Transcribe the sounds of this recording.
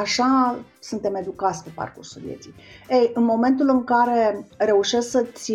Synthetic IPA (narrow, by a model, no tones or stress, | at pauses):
aʃasunt̪e̞me̞d̪ukat̪sʲpepa̰rkṵrsuljet̪sijejɨnmo̞me̞nt̪ulɨŋkaɾe̞ɾe̞uʃe̞sksət̪sʲ